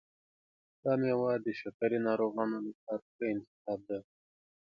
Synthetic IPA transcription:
d̪̥ɑmewɑd̪əʃakaɾinɑɾoɣɑnolasɑɾ | eɪnt̪ɪ̥xɑb̚d̪a

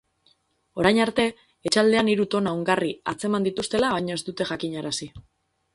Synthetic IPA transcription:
o̞ɾajɲaɾt̪e̞ː | t͡ʃald̪e̞aniɾut̪o̞naoŋɡaria̰t͡se̞mand̪it̪ust̪e̞laβajɲoe̞st̪ut̪e̞ʝakiɲaɾasi

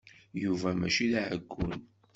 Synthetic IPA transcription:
juvæmæʃilʕəɡʷːʊn

